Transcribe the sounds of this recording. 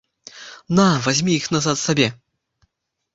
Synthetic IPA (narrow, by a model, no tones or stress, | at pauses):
navazʲmʲiixnazat̪sabʲɛ